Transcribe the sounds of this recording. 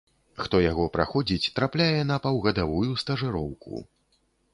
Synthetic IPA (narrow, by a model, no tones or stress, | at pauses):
xt̪ɔjaɣɔpɾa̰xɔd͡zʲit͡sʲt̪ɾaplʲajɛnɐpawɣɐd̪avujust̪ɐʐɨɾɔwkʰṵ